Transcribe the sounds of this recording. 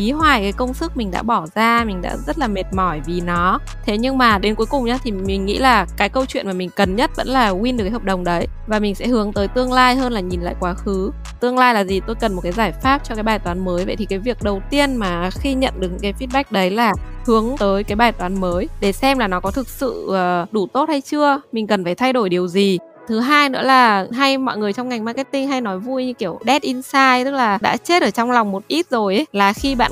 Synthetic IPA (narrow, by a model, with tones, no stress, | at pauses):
ʔi˨˦hwaː˨˩jkaː˨˦jkə˧wŋ͡msɨ˦˥k̚mï˨˩ŋ̟ɗa̰ː˧˥ɓɔ˧˩zaː˧mï˨˩ŋ̟ɗa̰ː˧˥zə˦˥t̚laː˨˩me˨˩t̚mɔ˧˩jvi˨˩nɔ˨˦ | t̪ʰe˨˦ɲɨ˧ŋmaː˨˩ɗe˨˦nku˨˩˦jkʊ˨˩ŋ͡mɲaː˨˦t̪ʰi˨˩mï˨˩ŋ̟ŋḭ˧˥laː˨˩kaː˨˦jkə˧wt͡ɕwḭ˧˨ənmaː˨˩mï˨˩ŋ̟kə˨˩nɲə˦˥t̚və̰˧˥nlaː˨˩wi˧nɗɨ˨˩ka˨˦hɔ˨˩k͡p̚ɗə˨˩wŋ͡mɗə˨˦j | vaː˨˩mï˨˩ŋ̟sɛ̰˧˥ɦɨ˨˦əŋt̪əː˨˦jt̪ɨ˧əŋlaː˧jɦəː˧nlaː˨˩ɲi˨˩nla̰ː˧˨jkwaː˨˦xɨ˨˦ | t̪ɨ˧əŋlaː˧jlaː˨˩zi˨˩t̪o˧jkə˨˩nm˨˩t̚kaː˨˦jzaː˧˩jfaː˦˥p̚t͡ɕɔ˧kaː˨˦jɓaː˨˩jt̪waː˨˦nməː˨˦jvə̰˧˨jt̪ʰi˨˩kaː˨˦jvi˨˩ək̚ɗə˨˩wt̪i˧ənmaː˨˩xi˧ɲə̰˧˨nɗɨ˨˩k̚ɲ̰ɨ˧˥kaː˨˦fi˦˥t̚ɓa˦˥k̚ɗə˨˦jlaː˨˩ | hɨ˨˦əŋt̪əː˨˦jkaː˨˦jɓaː˨˩jt̪waː˨˦nməː˨˦jɗe˧˩sɛ˧mlaː˨˩nɔ˨˦kɔ˨˦t̪ʰɨ˨˩k̚sɨ̰˧˨əː˨˩ɗu˧˩t̪o˦˥t̚ha˧jt͡ɕɨ˧əmï˨˩ŋ̟kə˨˩nfaː˧˩jt̪ʰa˧jɗo˧˩jɗi˨˩əwzi˨˩ | t̪ʰɨ˨˦ɦaː˧jnɨ̰˧˥əlaː˨˩ɦa˧jmɔ̰˧˨jŋɨ˨˩əjt͡ɕɔ˧wŋ͡mŋa˨˩jŋ̟ma˧kɛ˦˥t̚t̪ï˧ŋ̟ɦa˧jnɔ˨˦jvu˧jɲɨ˧ki˧˩əwɗɛ˦˥t̚ʔi˧nsaː˧jt̪ɨ˦˥k̚laː˨˩ɗa̰ː˧˥t͡ɕe˦˥t̚ʔəː˧˩t͡ɕɔ˧wŋ͡mla˨˩wŋ͡mmo˨˩t̚ʔi˦˥t̚zo˨˩jʔə˨˦jlaː˨˩xi˧ɓa̰ː˧˨